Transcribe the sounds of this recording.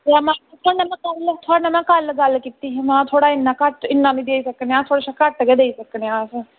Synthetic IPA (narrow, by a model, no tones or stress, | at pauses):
amãːt̪ʰanɐmãkalːət̪ʰonɐmãkaːlːəd͡zaːlkit̪iɦmãːt̪ʰoːɽaɪnːakaʈɪnːanid̪eisɐknãt̪ʰoːɽaʃakaʈːəɡed̪eːisɐkneãsə̃